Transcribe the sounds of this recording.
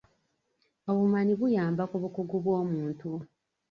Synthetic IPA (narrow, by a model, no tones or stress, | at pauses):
oβumaniβujaːmbakuβukuɡuβwoːmuːntu